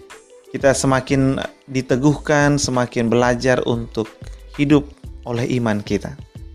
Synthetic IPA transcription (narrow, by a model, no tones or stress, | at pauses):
kit̪asəmakɪndit̪əɡuhkansəmakɪnbəlad͡ʒarṵnt̪ʊk̚hidʊp̚olɛhimankit̪a̰